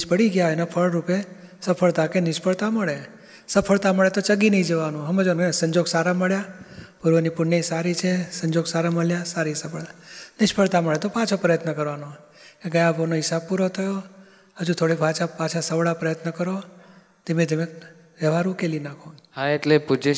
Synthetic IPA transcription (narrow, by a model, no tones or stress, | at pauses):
ʃpəɽiɡjaenapʰəɭɾupesəpʰəɭt̪akenɪʃpəɭt̪aməɭe | səpʰəɭt̪aməɭet̪ot͡ʃəɡinəĩd͡ʒəʋanũɦəmed͡ʒonesəɲd͡ʒoɡsaɾaməɭjapuɾʋənipʊɳːesaɾit͡ʃʰesəɲd͡ʒoɡsaɾaməɭjasaɾisəpəɭanɪʃpəɭt̪aməɭet̪opat͡ʃʰopɾəjət̪nəkəɾʋano | keɡəjãbonoɪsapuɾot̪ʰəjo | ɦəd͡ʒũt̪ʰoɽebʱat͡ʃʰapat͡ʃʰasəʋɭapɾəjət̪nəkəɾo | t̪emẽt̪eme | ʋəʋaɾũkelinakʰoɦaeʈlepud͡ʒe